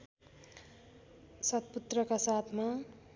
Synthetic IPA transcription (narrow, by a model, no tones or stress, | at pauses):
sʌt̪̚put̪rʌkasat̪ʰma